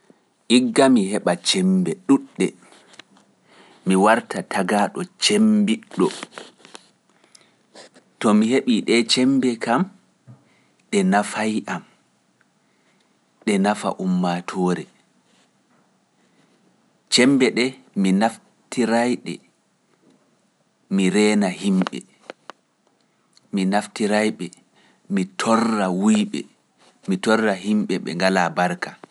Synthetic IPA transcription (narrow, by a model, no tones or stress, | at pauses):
ʔiɡːamihɛɓat͡ʃɛmbɛɗuɗːɛ | miwaɾtatʰaɡaːɗɔt͡ʃembiɗːɔ | tɔmiheɓiɗɛt͡ʃɛmbɛkam | ɗɛnafajʔam | ɗɛnafa̰ʔumːatʰɔːɾɛ | t͡ʃɛmbɛɗɛ | minaf | tiɾajɗɛ̰ | miɾɛːnahimɓɛ̰ | minaftiɾajɓɛ | mitʰɔrːawujɓɛ̰ | mitɔrːaɦimɓɛɓɛ̰ŋɡalabaɾka